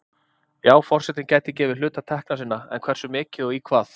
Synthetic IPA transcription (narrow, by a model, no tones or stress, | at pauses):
jaːwfɔr̥sɛt̪ɪncaːjt̪ɪcɛːvɪɾlʏːt̪at̪ʰɛhknasɪnːaɛ̰nkʰvɛr̥sʏmɪːcɪðɔikʰvaːθ